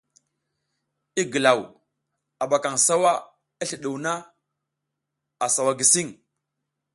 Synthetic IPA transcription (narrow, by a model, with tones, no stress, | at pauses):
i˦ɡə˨la˨w | a˨ɓa˨ka˨ŋsa˦wa˦ | i˦ɬə˨ɗu˨wna˦ | a˨sa˨wa˨ɡi˨si˦ŋ